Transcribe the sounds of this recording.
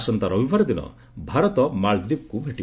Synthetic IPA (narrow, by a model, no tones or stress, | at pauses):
sɔnt̪aɾɔbibʱaɾɔd̪inɔ̰ | bʱaɾɔt̪ɔmaɭd̪ib̚kubʱeʈi